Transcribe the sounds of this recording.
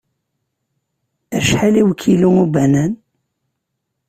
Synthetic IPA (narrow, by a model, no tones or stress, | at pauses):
æʃħaliwəkʰːiluŋubænæn